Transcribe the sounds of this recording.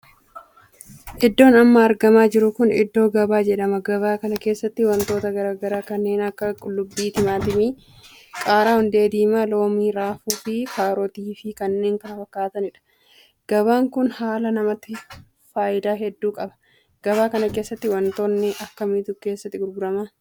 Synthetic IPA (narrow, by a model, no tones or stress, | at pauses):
ʔɪd̪ːo̞ːnɐmːɐːɾɡɐmaːd͡ʒɪɾʊkʊnɪ̰d̪ːo̞ːɡɐbaːd͡ʒɛᶑɐmɐɡɐbaːkɐnɐke̞ːsːɐt̪ːɪwɐnt̪o̞ːt̪ɐɡɐɾaːɡɐɾaːkɐnːe̞ːnɐkːɐkʼʊlːʊbːiːt̪ɪmaːt̪ɪmi | kʼaːɾaːhʊnd̪e̞ːd̪iːmaːlo̞ːmiːɾaːfuːfɪkaːɾɔt̪iːfɪkɐnːe̞ːŋkɐnɐfɐkːaːt̪ɐnɪᶑɐ̥ | ɡ̥ɐβaːŋkʊnhaːlɐnɐmɐt̪ːɪ | faːjɪd̪aːɦɛd̪ːuːkʼɐbɐ̥ | ɡ̥ɐbaːkɐnɐke̞ːsːɐt̪ːɪwɐnt̪oːnːɪʔɐkːɐmɪt̪uke̞ːsːɐt̪ːɪɡʊɾɡʊɾɐmaː